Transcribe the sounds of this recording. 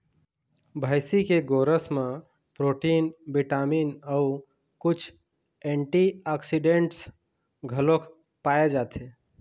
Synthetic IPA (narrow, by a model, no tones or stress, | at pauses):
bʱəɪsikeɡoːɾəsmẽ | pɾoːʈiːnbiʈaːmiːnəu | kʊt͡ʃʰ | ẽɳʈiaksiɖẽɳʈs | ɡʱəlõkʰ | paːjed͡ʒaːt̪ʰe